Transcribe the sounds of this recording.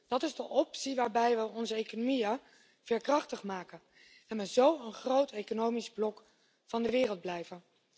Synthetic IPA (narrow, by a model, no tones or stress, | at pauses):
d̥ɑtɪzdəʔɔpsiʋaːɹbɛjʋəɔnzəejkonomijə | v̥ɛːɹkrɑχtəχmaːkən | ɛnʋəzowənχrowtʰejkonowmizblɔk | fɑndəʋɪːrəlˠd̚blɛjvən